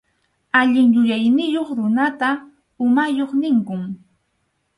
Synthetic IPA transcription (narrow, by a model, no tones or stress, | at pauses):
aʎɪŋjʊjajnɪjoχɾʊnat̪a | ʊmajoχnɪŋkʊŋ